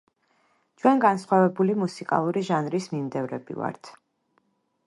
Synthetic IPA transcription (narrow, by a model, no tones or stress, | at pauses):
t͡ʃʰwɛnɡansχwavɛbulimusikʼa̰lˠuɾiʒanɾismimd̪ɛvɾɛ̰bḭva̰ɾt̪ʰ